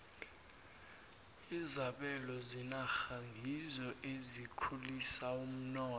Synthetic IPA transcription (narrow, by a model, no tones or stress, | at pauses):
izaɓɛlɔzinaxaŋɡʱizɔʔezikʰulisaum̩nɔː